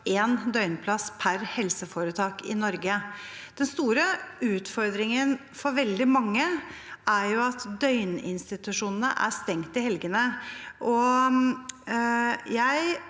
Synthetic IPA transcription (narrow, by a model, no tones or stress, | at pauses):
eːnd̪œʏnpʰlɑspʰæɾhɛlsəfoːɾət̪ʰɑːkɪnɔɾɡəd̪̥ɛnst̪uːɾəʉːt̪fɔɾd̪ɾɪŋən | fɔɾʋɛld̪ɪmɑŋːəæɾjʊɑt̪d̪œʏnɪ̰nst̪ɪt̪ʉʂuːnən̩ə̰ʔæ̰st̪ɛŋt̪ɪhɛlɡənəʔɔ | jæɪ